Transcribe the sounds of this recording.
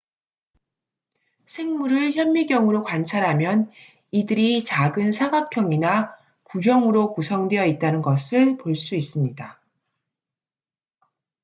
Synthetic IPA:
sʰe̞ŋmuɾɯɭçjʌmːiɡjʌŋɯɾokwant͡ɕʰaɾɦamjʌn | idɯɾit͡ɕaɡɯnsʰaɡakʰjʌŋina | kuɦjʌŋɯɾokusʰʌŋdwe̞jʌit̚t͈anɯnɡʌsʰɯɭpoɭs͈uis͈ɯmɲida

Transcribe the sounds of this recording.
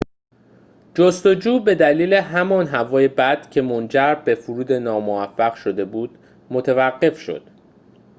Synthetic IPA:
d͡ʒost̪o̞d͡ʒuːbe̞d̪æliːle̞ɦæmɒːnɦævɒːje̞bæd̪̥cʰe̞mond͡ʒæɾbe̞fuɾuːd̪e̞nɒːmoæfːæɣʃo̞d̪e̞buːd̪̥ | mot̪ʰe̞væɢːe̞fʃo̞̰d̪̥

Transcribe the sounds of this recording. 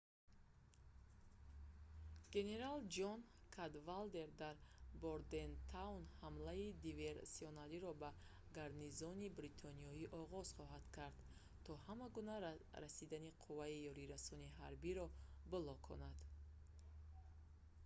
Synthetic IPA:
ɡ̥e̞ne̞ɾald͡ʒɔn | kʰad̪vald̪e̞ɾd̪aɾboɾd̪e̞nt̪ʰawnhamlaid̪ive̞ɾsiɔnaliɾɔbaɡaɾnizɔnibɾit̪ʰɔniɔiʔɔʁɔz̥χɔɦad̪̥kʰaɾd̪ | t̪ʰɔhamaɡunaɾasid̪aniqʰuvaijɔɾiɾasɔniɦaɾbiɾɔbɔlɔkʰɔ̰nad̪̥

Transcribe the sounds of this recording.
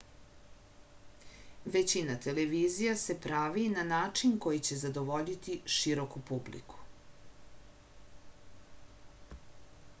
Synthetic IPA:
ʋet͡ɕinat̪e̞leʋiːzijase̞pɾaʋinanaːt͡ʂinko̞jit͡ɕe̞zad̪o̞ʋo̞ʎit̪iʃiɾo̞kupublḭku̥

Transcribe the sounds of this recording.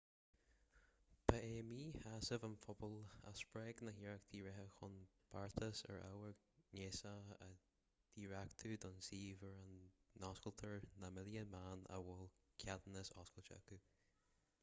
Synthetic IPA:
pʰaeːmiːhasəvənfʊbɔla̰spɹɛɡnəɦiːɹək̚d̪ʰiːɹɛɦəxʊnb̥aɹt̪ʰəsə̰ɹa̰wəɡ | neːsaə̰ | d̪̥iːɹakt̪ʰud̪ɔnsiːvəɹənnɔskəlt̪ʰəɹnamɪljəmaːnə̰wɔlkʰjad̪nəsɔskəlt͡ʃə̰ku

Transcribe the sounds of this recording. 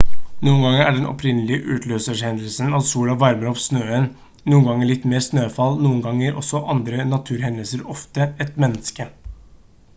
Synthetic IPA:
nuːənɡɑŋːəæɖɛnʔɔ̰pʰɾɪnːəlɪəʔʉ̰ːt̪ʰløːsəʂhɛnd̪əlsənɑʋsuːlɑʋæɾməɾɔpsnøːən | nuːənɡɑŋːəɭɪt̪ːmeːɾsnøːfɑlnuːənɡɑŋəɾʔɔ̰sɔʔɑnd̪ɾənɑt̪ʰʉːɾhɛnd̪əlsəɾɔft̪əɛt̪mɛnːəskə

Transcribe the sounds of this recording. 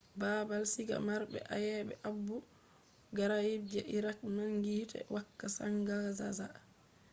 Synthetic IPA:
baːbalsiɡa̰maɾbɛ̰ʔa̰jɛːɓɛʔabːu | ɡaɾajibd͡ʒɛʔiɾak̚naŋɡiːtɛ̰wakːasaŋɡazaza

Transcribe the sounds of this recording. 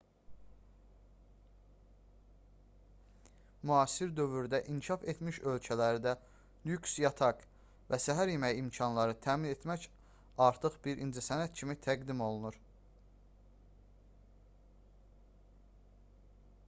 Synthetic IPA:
myɑːsiɾd̪ø̞vyɾd̪æʔinʃɑfe̞t̪ʰmiʃø̞lcʰælæɾd̪æ | lyksjɑt̪ʰɑk | væsæɦæɾjemæjimcʰɑnlˠɑɾɯt̪ʰæːmine̞t̪mæc | ɑɾt̪ʰɯχbiɾʔind͡ʒæsænæt̪cʰimit̪ʰæɡd̪imo̞lˠunuɾ

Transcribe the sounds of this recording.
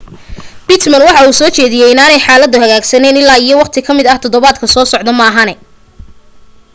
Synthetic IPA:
bɪt̪mɐnwɑħɑuːsɔːt͡ʃɛːðɪjɛjɪnaːnɛjħɑːlɐd̪ːʊɦɐɣaːɡsɐnɛːnɪlaːijɔwɑqt̪ʰɪkʰɐmɪd̪ɐht̪ʰɔðɔβaːd̪kʰɐsɔːsɔʕd̪ɔmaːɦɐnɛ

